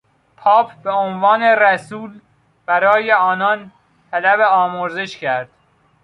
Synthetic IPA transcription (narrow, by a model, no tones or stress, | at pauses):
pʰɒːpʰbeonvɒːneɾæsuːl | b̥æɾɒːjeɒːnɒːn | t̪ʰælæbeɒːmoɾzeʃcʰæɾd̪̥